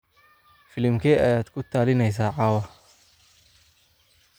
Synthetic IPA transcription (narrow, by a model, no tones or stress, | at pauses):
fɪlɪmkʰɛɐjaːd̪kʰʊt̪ʰaːlɪnɛjsaːʕɑːwɐ